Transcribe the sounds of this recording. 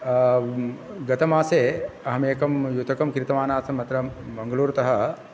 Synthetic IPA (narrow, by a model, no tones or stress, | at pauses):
ɡɐt̪ɐmaːseːɐɦɐmeːkɐmjut̪ɐkɐmkɾɪt̪ɐmaːnaːsɐmɐt̪ɾɐbɐŋɡɐluːɾɐt̪ɐɦɐ